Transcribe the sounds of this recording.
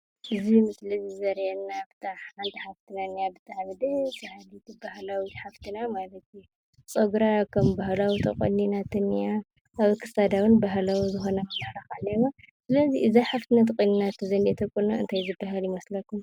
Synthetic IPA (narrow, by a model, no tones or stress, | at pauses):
ʔɨzimɨslɐzizɐɾjɛnːaft̪ʰaħħant̪ʰiħaft̪ʰɨnanijabɨt̪ʰʼaʕβɨd̪esɨhalit̪ʰɨbaɦlawiħaft̪ʰɨnamalɐt̪ | t͡sʼoɡɾakʰɐmbahlawit̪ʰɐ̰kʼo̰nːinat̪ʰɨnːija | ʔːβkʰɨsad̪awɨnbaɦlawizɨxonɐmɐmɐħɾakalːɐwa | sɨlɐziɨzajħaft̪ʰɨnat̪ʰkʼonːinat̪ʰɨzɐnet̪ʰɐkːonaɨ̰nt̪ʰajzɨbːaɦaljɪmɐslɐkʰum